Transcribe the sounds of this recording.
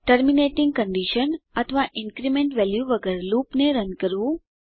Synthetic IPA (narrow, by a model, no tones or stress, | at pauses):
ʈəɾmineʈɪ̃ŋɡkəɳɖiʃənət̪ʰəʋaʔɪnkɾimẽɳʈʋɛljuʋəɡəɾlupneɾənkəɾʋũ